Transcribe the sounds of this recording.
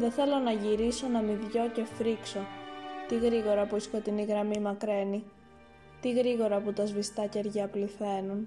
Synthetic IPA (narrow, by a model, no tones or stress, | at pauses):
ðe̞θe̞lo̞nɐʝiɾiso̞nɐmivʝo̞ce̞fɾikso̞t̪iɣɾiɣo̞ɾɐpuisko̞t̪iniɣɾɐmimɐkɾe̞ni | t̪iɣɾiɣo̞ɾɐput̪ɐzvist̪ɐce̞ɾʝɐpliθe̞nun